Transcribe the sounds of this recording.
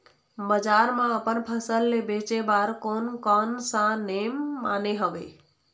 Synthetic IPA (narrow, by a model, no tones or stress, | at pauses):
bəd͡ʒaɾmãəpənpʰəsəlːebet͡ʃebaɾkonkɔnsãnemːaneɦəbe